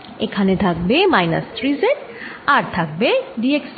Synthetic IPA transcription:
ekʰanet̪ʰak̚bemajnɐ̰st̪ɾizeʈaɾt̪ʰak̚beɖieks

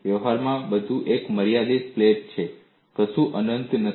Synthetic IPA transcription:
jəʋɦaɾmãbəd̪ʱuʔekməɾijad̪ispleʈ̚t͡ʃʰe | kəsuʔənənt̪nə

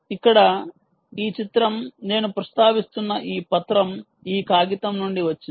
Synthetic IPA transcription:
ikːɐɽɐ | iːt͡ʃit̪ɾɐmne̞ːnupɾɐst̪ʰaːʋist̪unːɐʔiːpɐt̪ɾɐm | iːkaːɡit̪ɐmnuɳɖiʋɐt͡ʃːin

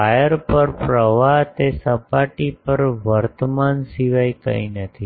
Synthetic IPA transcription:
ajəɾpəɾpɾəʋat̪esəpaʈipəɾʋəɾt̪əmansiʋajk̪ə̰inət̪ʰi

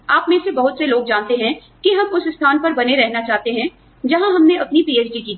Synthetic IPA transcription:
aːpmẽsebɐɦʊt̪seloːɡ̚d͡ʒãːnt̪eɦɛ̃ | kiɦɐmʊsɪst̪ʰaːnpɐɾbɐneɾɛɦnat͡ʃaːɦt̪eɦɛ̃ | d͡ʒɐɦãɦɐmneɐpnipiːeːt͡ʃɖikiː

